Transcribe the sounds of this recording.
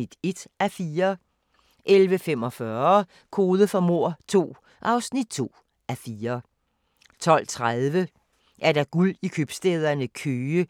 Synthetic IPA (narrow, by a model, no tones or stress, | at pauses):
id̥e̝d̥æfiːɐ | ʔelʋəfemɒ̽fɶɐ | kʰo̝ːð̞ˠəfɒmo̝ɐ̰t͡sʰo̝̰ː | ʔɑ̈ʊsnid̥̚t͡sʰo̝̰ː | ʔæfiːɐ | t͡sʰɒ̽l̰t͡sʰʁaðˠʋə | ʔæɐɾ̥æɡ̥ul̰ikʰøb̥sd̥eð̞ˠɐnəkʰøːə